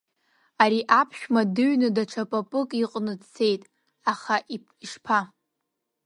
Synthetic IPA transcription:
aɾiʔapʰʃᶣmadɨɥnɨdaʈ͡ʂʰapʼapʼɨkʼiqʼnɨdt͡sʰe̞jtʼ | aχaʔi | iʂpʰa

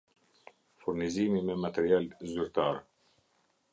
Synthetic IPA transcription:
fuɾnizimimɛmat̪ɛɾialzyɾt̪aɾ

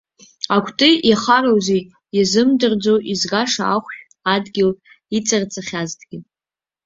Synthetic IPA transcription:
akʷʰtʼɨaχarawzej | jazɨmdɨrd͡zowʔizɡaʂaaχʷʃᶣ | adɡʲɪl | it͡sʼɨrt͡sʰʼaχʲazdʰɡ̥ʲɪ

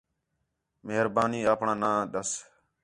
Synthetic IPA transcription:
meɦɾbaːniːaːpɳãːnãːɗ̪əs

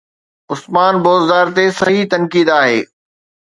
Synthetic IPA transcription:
ʊsmaːnboːzd̪aːɾt̪esɐɦit̪ɐnkiːd̪aːɦeː

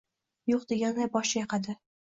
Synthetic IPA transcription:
joqd̪eɡʲanːajbɒʃajɑqɑd̪ɪ

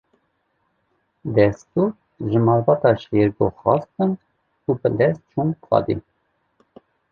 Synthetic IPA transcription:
d̪ɛst̪uɾ | ʒəmɑɾvɑt̪ɑʃjɛɾɡoχɑst̪ən | ubəlɛzt͡ʃʰunkʰwɑ̰d̪ḭn

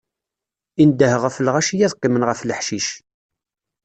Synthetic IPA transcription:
ind̪əhəʁəflʁæʃijæðˤqːimənʁəfləħʃiʃ

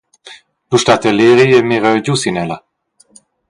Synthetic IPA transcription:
luʃtat̪əleʁiɛmiʁəɟusinɛla

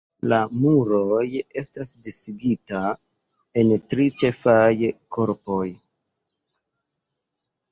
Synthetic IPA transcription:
lamuɾoje̞stasdisiɡita | e̞ntɾit͡ʃe̞fajko̞ɾpo̞j

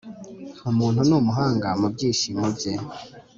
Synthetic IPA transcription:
umuːnhunumuɦaːŋɡamub̚ɟiːʃimubɟe

